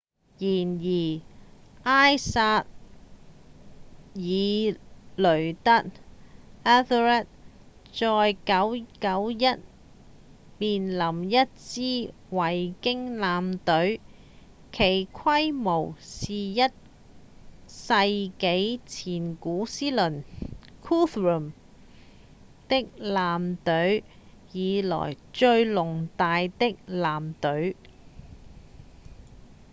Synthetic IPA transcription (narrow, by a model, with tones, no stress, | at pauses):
jiː˨˩njiː˨˩ʔaː˥jsaː˧t̚ | jiː˨˧lɵ˨˩ɥt̪ɐ˥t̚ | aː˥θɹɛ˥t̚ | t͡sɔː˧jkɐ˨˥wkɐ˨˥wjɐ˥t̚ | miː˨nlɐ˨˩mjɐ˥t̚t͡siː˥ | wɐ˨˩jkɪ˥ŋlaː˨˧mt̪ɵ˨˥ɥ | kʰe˨˩jkʷʰɐ˥jmo˨˩wsiː˨jɐ˥t̚ | sɐ˧jke˨˥jt͡sʰiː˨˩nkuː˨˥siː˥lɵ˨˩nkʰuː˥θɹu˨˩m | t̪ɪ˥k̚laː˨mt̪ɵ˨˥ɥ | jiː˨˧lɔ̰ː˨˩j | t͡ʃɵ˧ɥlʊ˨˩ŋt̪aː˨jt̪ɪ˥k̚laː˨mt̪ɵ˨˥ɥ